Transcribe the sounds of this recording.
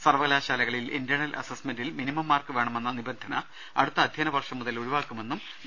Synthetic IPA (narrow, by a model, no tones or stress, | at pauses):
sɐrʋɐɣlaːɕaːlɐɣɐɭilḭndjɐɳɐlʔɐ̰sɐsmendilminimɐmːaːrkɨʋe̞ːɳɐme̞nːɐnibɐnd̪ʱɐnɐ | ɐɽut̪ːɐd̪ʱjɐːnɐʋɐrʂɐmːuðɐluɻuʋaːkːume̞nːum